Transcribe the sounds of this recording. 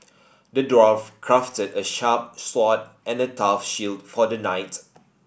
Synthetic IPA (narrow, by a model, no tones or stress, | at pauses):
dədɹɔfkʰɹaftədəʃap̚swɔt̚ʔɛ̃nətafʃildfɔdənaɪt